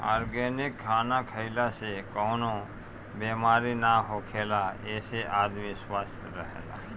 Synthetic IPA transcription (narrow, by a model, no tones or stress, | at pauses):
a̰ːɾɡeːnɪkʰːaːnakʰəɪlasekoːno | beːmaːɾinaɦoːkʰeːlaeːseʔaːd̪miswaːst̪ʰɾəɦḛːla̰ː